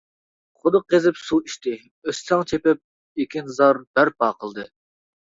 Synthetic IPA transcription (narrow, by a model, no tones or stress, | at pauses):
χʊd̪ɨqʰezɪpsuiʃt̪ʰɪ | øssɑŋt͡ʃʰepɪp̚ | ekʲinzɑɾb̥æɾp̚ɑːqʰəlˠd̪ɨ